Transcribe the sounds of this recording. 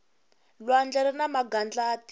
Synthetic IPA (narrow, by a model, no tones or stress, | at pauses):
lwand͡ɮɛɾɛnamaɡand͡ɮaːt